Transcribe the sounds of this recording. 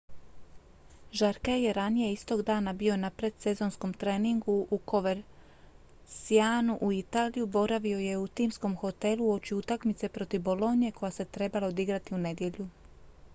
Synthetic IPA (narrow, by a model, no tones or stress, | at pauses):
ʒaɾkaje̞ɾanije̞ist̪o̞ɡd̪aːnabio̞napɾe̞d̪se̞zo̞nsko̞mt̪ɾe̞ːniŋɡuʔuko̞ʋeɾ | siaːnuʔuit̪aːlijubo̞ɾaʋio̞je̞ut̪iːmsko̞mxo̞t̪e̞luo̞t͡ʃiut̪akmit̪se̞pɾo̞t̪iʋbo̞lo̞nije̞kʰo̞jase̞t̪ɾe̞balaod̪iɡɾat̪iune̞d̪je̞ʎu